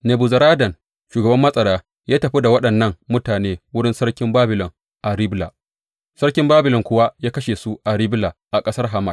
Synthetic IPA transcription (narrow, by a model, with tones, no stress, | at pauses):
ne˨bu˨zɐ˨ɾaː˦dɐ˨n | ʃuː˨ɡɐ˨bɐ˦mːɐ˦sʼɐ˨ɽaː˦ | jaː˦tɐ˨ɸi˦da˨wɐ˦ɗɐ˨nːɐ˦˨ŋmʊ˦taː˨neː˦wʊ˦ɽɪ˦nsɐ˦rkʲɪ˦mbaː˦bɪ˨lɔ˨ŋ | ʔa˨ɾɪ˦bla̰ː˨ | sɐ˦rkʲɪ˦mbaː˦bɪ˨lɔ˨ŋkʷʊ˦wa˦jaː˦kɐ˦ʃe˨su˦ʔa˨ɾɪ˦blaː˨ʔa˨kʼɐ˦sɐ˦rɦa˨ma˦˨k